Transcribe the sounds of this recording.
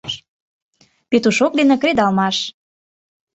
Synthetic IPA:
pet̪uʃok̚d̪enĕkɾed̪ɑlmɑʃ

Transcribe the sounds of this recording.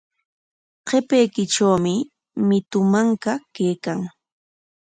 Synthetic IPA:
qepejkɪʈ͡ʂawmɪ | mɪt̪ʊmaŋkakejkaŋ

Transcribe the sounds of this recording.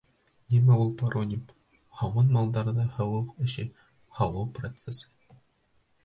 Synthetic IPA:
nʲimæulˠpɑɾʔonʲim | hɑwɤnmɑlˠd̪ɑɾðɑhɤ̆wɤqɘ̆ɕɘ | hɑwɤwˠprot̪sesɤ

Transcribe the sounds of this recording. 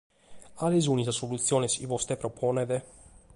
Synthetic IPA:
alizunizasolut̪sijonɛsḭvost̪ɛpɾopʰonɛd̪ɛ

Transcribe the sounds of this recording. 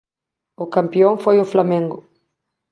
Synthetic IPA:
ʊkɐ̃mpiõŋfojʊflamẽŋɡʊ

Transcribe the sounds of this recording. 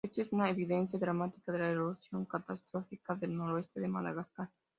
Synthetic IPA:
est̪oesunaeβiðẽnθjaðɾamat̪i̥kaðelaeβoluθjoŋkat̪ast̪ɾofikaðelnoɾoest̪eðema̰ða̰ɣaskaɾ

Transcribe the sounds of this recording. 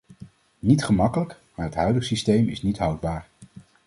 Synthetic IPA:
nitχəmɑkələk | maːɹɦətɦœɥdəχsistejmɪ̰snitɦɑwd̚baːɹ

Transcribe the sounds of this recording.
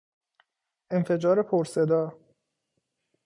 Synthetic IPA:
e̞nfe̞d͡ʒɒːɾe̞pʰoɾse̞d̪ɒː

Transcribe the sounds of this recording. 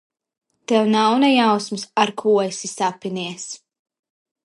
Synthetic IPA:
t̪ɛwnawnɛjawsmsaɾkʰuːjsisapiniɛs

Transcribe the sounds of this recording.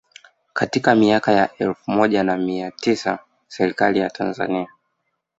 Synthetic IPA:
katikamiakajaʔɛlfumɔʄanamiatisa | sɛɾikalijatʰanza̰nia

